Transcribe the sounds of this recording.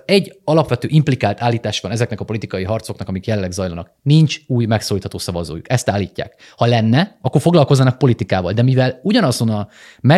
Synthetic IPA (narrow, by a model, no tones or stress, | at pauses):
ɛɟːɒlɒpʋɛt̪ø̰ːʔimplikaːlt̪aːlːiːt̪aːʃʋɒnɛzɛknɛkɒpo̞lit̪ikɒjiɦɒrt̪so̞knɒkɒmikjɛlɛlːɛɡzɒjlɒnɒ̰knint͡ʃuːjmɛksoːliːt̪hɒt̪oːsɒvɒzo̰ːjukɛst̪aːlːiːcːa̰ːk | hɒlɛnːɛɒkːorfo̞ɡlɒlko̞zːɒnɒk̚po̞lit̪ikaːvɒ̰ld̪ɛmivɛluɟɒnɒzo̞nɒ | mɛ